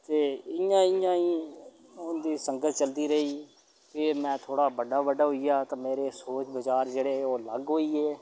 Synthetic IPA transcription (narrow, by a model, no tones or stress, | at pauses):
t̪eːɪjãːɪjãːiː | ʊnd̪iːsəŋɡət̪ʰt͡ʃəld̪iːɾəɦiː | kɪmɛ̃ːt̪ʰoːɽaːbəɖaːbəɖaːɦoiːjaːt̪ãːmeːɾeːsoːt͡ʃbəd͡ʒaːɾd͡ʒeːɽeːoːləɡɦoːiːɛː